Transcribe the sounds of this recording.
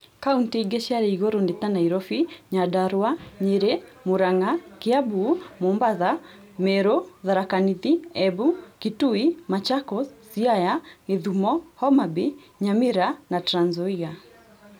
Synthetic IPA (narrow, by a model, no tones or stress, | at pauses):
kauntiɡɛʃaɾiiɣɔɾɔndit̪anaiɾɔfiɲadaɾwaɲiɾɛmuɾaŋakiabumɔmbaða | mɛɾɔðaɾakanitiɛbukituimat͡ʃakɔsiajaŋeðumɔhɔmabi | ɲamiɾanatɾanzɔiɣa